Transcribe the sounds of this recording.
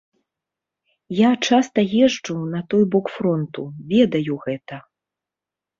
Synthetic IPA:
jat͡ʂast̪ɐjɛʐd͡ʐunɐt̪ɔjbɔkfɾɔnt̪uvʲɛd̪ɐjuɣɛt̪ɐ

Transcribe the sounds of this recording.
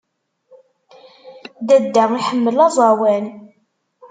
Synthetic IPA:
d̪æd̪ːæʁiħəmːəlɑzˤɑwæn

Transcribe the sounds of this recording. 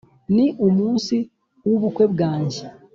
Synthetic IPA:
niʔomuːnsi | wuβukwe̞bɡaːɲɟe

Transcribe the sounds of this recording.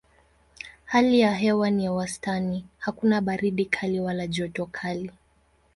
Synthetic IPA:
halijaɦɛwanijawastanihakunaɓaɾiɗikʰaliwalaʄɔtɔkʰali

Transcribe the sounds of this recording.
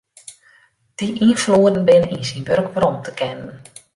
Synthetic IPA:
d̥iʔinfloːədən̩bɪnəinsinbørɡbrɔmtəkʰɛnən

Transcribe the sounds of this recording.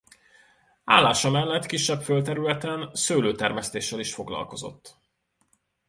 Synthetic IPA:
a̰ːlːaːʃɒmɛlːɛt̪kiʃːɛpfølt̪ɛɾylɛt̪ɛnsøːløːt̪ɛrmɛst̪eːʃːɛliʃfo̞ɡlɒ̰lko̞zo̞̰t̪ː

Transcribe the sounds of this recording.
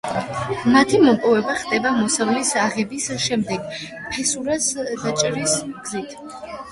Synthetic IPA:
mat̪ʰimɔpʼɔvɛbaχd̪ʼɛbamɔsavlisaʁɛbisʃɛmd̪ɛɡ̥ | pʰɛsuɾasd̪at͡ʃʼɾisɡ̥zit̪ʰ

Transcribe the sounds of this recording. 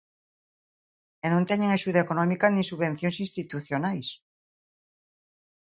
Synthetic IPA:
enõnt̪eɲeŋaʃuðaekonɔ̃mikanĩsuβẽn̟θjoŋsĩnst̪it̪uθjonajs

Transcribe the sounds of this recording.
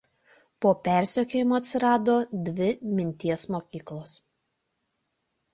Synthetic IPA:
poːpʲæˑɾʲsʲɛkʲoːjɪmoːɐt̪ʲsʲɪɾɑːd̪oːd̪ʲʋʲɪmʲɪnʲt̪ʲiɛsmoːkʲiːklˠoːs

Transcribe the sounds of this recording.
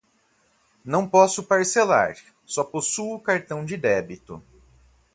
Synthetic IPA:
nɐ̃w̃pɔsʊpaɾsela̰ɾ | sɔposuʊkaɾt̪ɐ̃w̃d͡ʒɪd̪ɛbit̪ʊ̰

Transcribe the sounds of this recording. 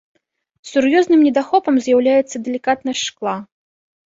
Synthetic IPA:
sʲurjɔznɨmnʲɛd̪axɔpɐmzʲjawlʲajɛt̪sːɐd̪ɛlʲikat̪nɐjʂklˠa

